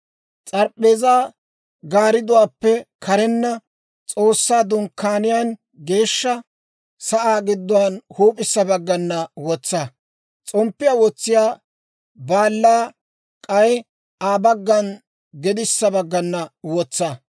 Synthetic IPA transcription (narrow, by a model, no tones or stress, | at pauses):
t͡sʼɐɾpʼːeːzaː | ɡaːɾɪd̪ʊwaːpːɛkʰɐɾɛnːɐ | t͡sʼo̞ːsːaːd̪ʊŋkːaːnɪjaːn | ɡe̞ːʃːɐ | sɐʔaːɡɪd̪ːʊwɐnhuːpʼɪsːɐbɐɡːɐnːɐwɔt͡sːɐ | t͡sʼɔmpːɪjaːwɔt͡sːɪjaː | baːlːaː | kʼɐj | aːbɐɡːɐn | ɡɛd̪ɪsːɐbɐɡːɐnːɐwɔt͡sːɐ